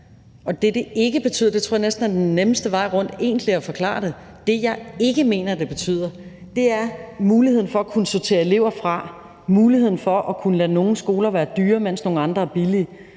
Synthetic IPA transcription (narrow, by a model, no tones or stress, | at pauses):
ɒ̽d̥e̝d̥e̝e̝ɡ̥əb̥e̝t͡sʰy̰ðˠɐd̥eoɐ̰ɑnesd̥n̩æd̥enːeməsd̥əʋɑ̈ɪ̰ʁɔ̽n̰d̥e̝̰ːn̥liɒfɒ̽kʰlɑ̰̈ːɾ̥e̝ | d̥e̝jɑ̈ɪe̝ɡ̥əme̝̰ːnɐd̥e̝b̥e̝t͡sʰy̰ð̞̰ˠɐ | d̥e̝æɐmuːliheð̰ˠn̩fɒ̽ækʰunəsot͡sʰe̝̰ːɐe̝le̝ʊ̰ɐfʁɑ̈ | muːlihe̝ð̞̰ˠn̩fɒ̽ʔɒkʰunəlæno̝ːn̩sɡ̥o̝ːlɐʋæːɐd̥yːɐmen̰sno̝ːn̩ɑ̈nd̥ʁɐæɐb̥iliə